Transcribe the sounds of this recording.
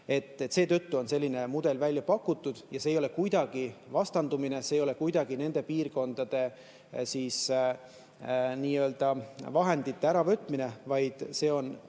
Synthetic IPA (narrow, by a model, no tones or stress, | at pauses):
e̞t̪ːet̪ːse̞ːt̪øt̪ːuo̞nse̞lːine̞mud̪̥e̞lvælʲːjɑpɑkːut̪ːud̪̥jɑseːjo̞le̞kujd̪̥ɑɡ̥ivɑst̪ɑnd̪umine̞seːjo̞le̞kujd̪̥ɑɡ̥ine̞nd̪̥e̞piːrko̞nd̪̥ɑd̪̥e̞ | siːs | niːøld̪̥ɑvɑɦe̞nd̪it̪ːe̞æɾɑvø̞t̪ːˑmine̞vɑjd̪̥se̞ːo̞n